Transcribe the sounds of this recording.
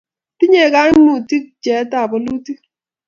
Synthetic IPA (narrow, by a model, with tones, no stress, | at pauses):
ti˦ɲe˦˨ka˦nu˨ti˦k̚d͡ʒɛ˨˦ta˦˨bo˨lu˦ti˦